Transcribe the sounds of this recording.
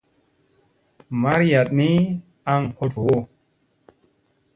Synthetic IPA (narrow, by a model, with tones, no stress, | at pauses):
ma˦ɾja˨t̚ni˦ | a˦ŋho˧two˦˨